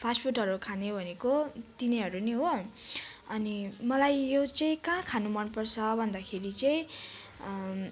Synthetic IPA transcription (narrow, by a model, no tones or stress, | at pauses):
pʰaspʰuʈɦʌɾukʰanebʱʌnekot̪iniɦʌɾuniɦo | ʌnimʌlajjot͡sʌĩkãkʰanumʌnpʌrt͡sʰʌbʱʌnd̪akʰeɾit͡sʌĩ